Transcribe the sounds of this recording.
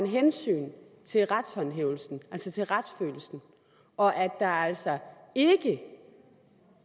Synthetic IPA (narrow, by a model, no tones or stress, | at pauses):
nɦensy̰ːn | t͡sʰe̝lʁad̥shɒ̽nɦḛʊl̩sn̩ʔælsət͡sʰe̝lʁad̥sfø̰ːl̩sn̩ | ʔɒ̽ʔæ̥ɑ̈æl̰sɒ | e̝ɡ̥ə